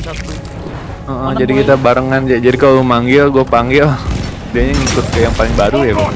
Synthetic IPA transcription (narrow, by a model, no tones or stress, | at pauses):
əʔəd͡ʒadikit̪abaɾəŋand͡ʒad͡ʒadikalomaŋɡɪlɡuapaŋɡɪl | diaɲaŋikʊt̪̚kajaŋpalɪŋbaɾujaba